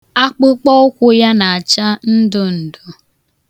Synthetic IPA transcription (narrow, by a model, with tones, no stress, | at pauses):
a˦k͡pʊ˦k͡pɔ˦ʊ˦kʷʊ˦ja˦na˨a˨t͡ʃa˦n̩˦dʊ˦n̩˨dʊ˨